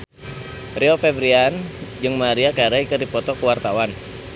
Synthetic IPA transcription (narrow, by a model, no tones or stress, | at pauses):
riofɛbɾiand͡ʒɨŋmaɾiakaɾaikɨrdipɔt̪ɔkəwart̪awan